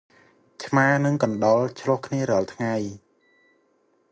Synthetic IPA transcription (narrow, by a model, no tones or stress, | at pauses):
t͡ɕʰmaːnɨŋkɑnɗɑlt͡ɕʰlŏəhkʰniəɾɔ̆ɑlt̪ʰŋaj